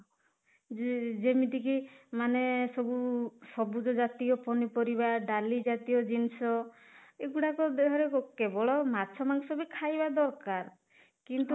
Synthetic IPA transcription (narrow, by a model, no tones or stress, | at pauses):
d͡ʒemit̪ikimanesɔbusɔbud͡ʒɔd͡ʒat̪iɔpɔnipɔɾibaɖalid͡ʒat̪ijɔd͡ʒinsɔ | eɡuɽakɔd̪eɦɔɾeɔkebɔɭɔmat͡ʃʰɔmaŋsɔbikʰajbad̪ɔɾkaɾ | kint̪u